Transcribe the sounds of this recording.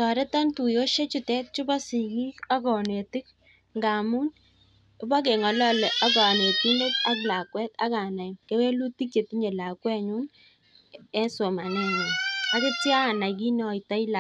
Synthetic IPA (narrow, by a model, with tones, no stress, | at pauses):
tɔ˨ɾɛ˦ta˦ntu˨jo˦ʃe˦t͡ʃʊ˨tɛ˦t̚t͡ʃʊ˦bɔ˦si˨ki˦ka˦kɔ˨ne˨tɪ˦k̚ | ŋɡa˨mu˦n | ʊ˦ba˦k̬e˨ŋɔ˨lɔ˦lɛ˨ʔa˦k̬a˨ne˨ti˦ne˦ta˦k̬la˨kwɛ˦ta̰˦ka˨na˨ke˦we˦lu˦ti˦kje˨ti˦ɲe˨la˨kwɛ˦ɲu˦n | ɛ˦nso˨ma˨nɛ˦ɲu˨na˦kʊ˦tja˦˨na˨k̬i˦nɔ˦i˨ta˦i˦la˨